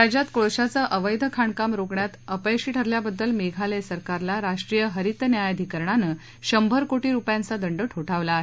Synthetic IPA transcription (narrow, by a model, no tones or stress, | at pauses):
ɾad͡ʑat̪koɭɕat͡saʔəʋəjd̪ʱəkʰaɳkamɾoɡɳjat̪əpəjɕiːʈʰəɾljabəd̪ːəlmeɡʱalesəɾkaɾlaɾaʂʈɾijəɦəɾit̪njajəd̪ʱikəɾɳanə | ɕəmbʱəɾkoʈiːɾupjãnt͡sad̪əɳɖəʈʰoʈʰaʋla